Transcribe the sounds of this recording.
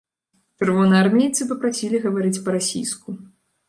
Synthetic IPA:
t͡ʂɨrvɔnɨjarmʲijt̪sɨpɐpɾasʲilʲiɣɐvaɾɨt͡sʲpɐɾasʲḭjsku

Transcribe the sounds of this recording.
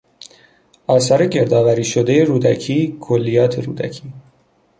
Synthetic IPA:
ɒːsɒːɾe̞ɟe̞ɾd̪ɒːvæɾiːʃod̪ejeɾuːd̪æcʰiːkʰolːijɒːt̪ʰeɾṵːd̪æ̰cʰiː

